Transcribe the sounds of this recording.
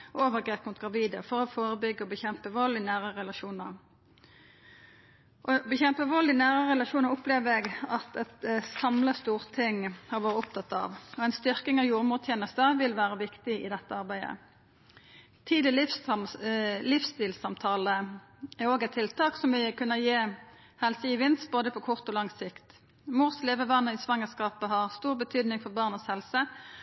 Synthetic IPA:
oːʋəʁɡʁeːpmʊt̪̚ɡʁɑʋiːd̪əfɔɾɔfoːʁəbʏɡːəɔbəçɛmpəʋɔlːɪnæːʁəʁɛlɑʃuːnəʁ | ʔɔbəçɛmpəʋɔlːɪnæːʁəʁɛlɑʃuːnəʁʊpleːʋəɛɡɑt̪ɛt̪sɑmləst̪uːʁt̪ʰɪŋhɑʁʋɑːɾəʊpt̪ʰɑt̪ːɑ̰ʋɔæɪnst̪ʏʁkɪŋɑʋjuːʁəmuːt̪jeːnəst̪əʋɪlʋæːɾəʋɪkt̪ɪɪ̰d̪ɛt̪ːəɑʁbæɪd̪ə̰ | t̪ʰiːd̪ɪl | lɪfst̪iːlsɑmt̪ʰɑːlə | æʁoːɡæt̪ʰːɪlt̪ʰɑːksɔmʋɪkʉnːəʁjeː | hɛlsəɪʋɪnst̪̚boːd̪əpʰɔkʰʊʁt̪ɔlɑŋsɪkt̪ | muːʁsleːʋəʋɑnːəɪsʋɑŋəskɑːpəɦɑʁst̪uːʁbət̪ʰyːd̪nɪŋfɔʁbɑːʁnəshɛlsə

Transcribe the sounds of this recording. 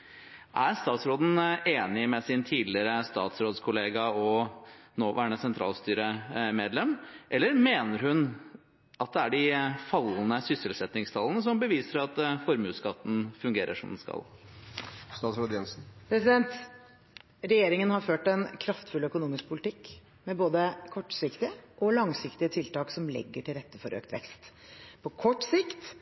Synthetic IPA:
ʔæɾst̪ɑːt̪sɾoːd̪n̩ʔeːnɪmɛsɪnt̪ʰiːd̪lɪəɾəst̪ɑ̰ːt̪sɾoːd̪skʰʊleːɡɑɔnoːʋʔæːɳəsɛnt̪ʰɾɑ̰ːlst̪yːɾəmeːd̪lɛmʔɛlːəɾmeːnəɾhʉn | ʔɑt̪̚d̪ɛæɖɪfɑlnəsʏsəlsɛt̪nɪŋst̪ʰɑlənəsɔmbəʋiːsəɾɑt̪fɔɾmʉːskɑt̪ːn̩fʉŋɡeːɾʔə̰ʂɔmd̪ɛnskɑ̰l | st̪ɑːt̪sɾod̪ɪɛnsn̩pʰɾɛsɪd̪ɛnt̪ | ɾɛjeːɾɪŋənhɑɾføːʈɛnkʰɾɑft̪fʉlœkʊnuːmɪsk̚pʰʊlɪt̪ɪkː | mɛboːd̪əkʰɔʈːsɪkt̪ɪəʔɔlɑŋsɪkt̪ɪət̪ʰɪlt̪ɑːksɔmlɛ̰ɡːəʈʰɪlɾɛt̪ːəfɔɾʔø̰ːkt̪ʋɛ̰kst̪pʰɔkʰɔʈːsɪkt̪

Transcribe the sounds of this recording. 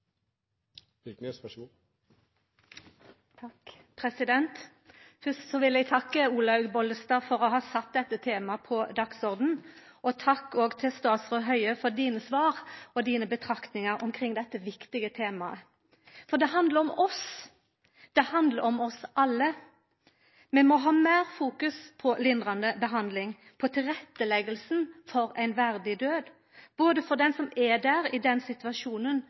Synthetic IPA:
ɪknøsɛ | t̪ʰɑk | pʰʁɛsɪd̪ɛnt̪ | fœst̪sɔʋɪlɛɡt̪ʰɑkːəuːlɑbɔləst̪ɑːfɔʁoɦɑːsɑt̪̚d̪ɛt̪ːət̪ʰeːmɑpʰɔd̪ɑksɔʁd̪n̩ʔɔt̪ʰɑkːoːɡt̪ʰɪlst̪oɑsɔɦœʏəfɔʁd̪iːnəsʋɑːʁɔd̪iːnəbət̪ʰʁɑkt̪nɪŋɑʁɔmkʰʁɪŋd̪ɛt̪ːəʋɪkt̪ɪɡət̪ʰeːmɑə | fɔd̪ɛɦɑnd̪ləɾɔmɔs | d̪̥ɛhɑnd̪ləɾɔmɔsʔɑlːə | mɛmɔɦɑːmæːʁfuːkʉspʰɔlɪnd̪ʁɑnd̪əbəɦɑnd̪lɪŋ | pʰɔt̪ʰɪlʁɛt̪ːəlɛɡəlsnfɔɾæɪnʋæɾd̪ɪd̪øːd̪ | b̥oːd̪əfɔʁd̪ɛnsɔmɛd̪æːɾɪd̪ɛnsɪt̪ʉʋɑʃuːnən

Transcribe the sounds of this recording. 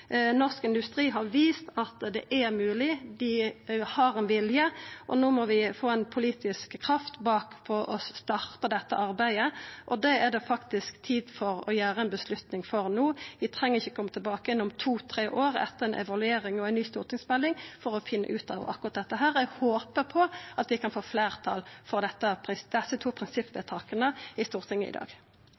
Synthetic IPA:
nɔʁskɪnd̪ʉst̪ʁiːɦɑɾʋiːst̪ɑt̪d̪ɛ̰ʔæɾmʉːlɪd̪ɪhɑɾɛnʋɪljəʔɔ̰noːmɔʋɪfoːɛnpʰʊliːt̪ɪskkʰːɾɑft̪bɑːkpʰɔɾɔst̪ɑʁt̪əd̪ɛt̪ːəʔɑɾbæɪəʔɔd̪ɛæd̪ɛfɑkt̪ɪskt̪ʰiːd̪fɔɾɔ̰jæːʁəɛnbəslʉt̪nɪŋfɔʁnuːʋɪt̪ʰʁɛŋːəʁɪçːɔkʰɔmːət̪ɪlbɑːkəjɛnːʊmt̪ʰuːt̪ʰɾeːʔoːʁɛ̰t̪ːəʁɛnʔɛ̰ʋɑlʉeːɾɪŋɔæɪnyːst̪uːʁt̪ʰɪŋsmɛlːɪŋfɔʁɔfɪnːə̰ʔʉːt̪ɑ̰ːʋ̰ɑ̰kːʊʁɑt̪̚d̪ɛt̪ːəɦæːɾɛɡhoːpəpʰɔɑt̪ʋɪkʰɑnfoːfleːʁt̪ʰɑ̰lfɔʁd̪ɛt̪ːəpʰɪsd̪̥ɛsːət̪ʰuːpʰʁɪnsɪpʋeːt̪ʰɑːkənəɪst̪uːʁt̪ʰɪŋːəɪ̰d̪ɑ̰ːɡ

